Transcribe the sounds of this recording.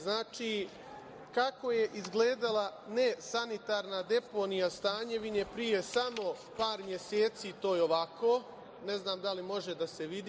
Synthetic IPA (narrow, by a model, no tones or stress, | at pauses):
znaːt͡ʃi | kako̞je̞ʔizɡleːd̪alˠane̞sanit̪aːɾnad̪e̞ponijast̪aːɲe̞ʋiɲepɾije̞samo̞ | paːɾmje̞seːt̪sit̪o̞ːjeoʋako | ne̞znaːmd̪alimo̞ʒe̞d̪ase̞ʋid̪i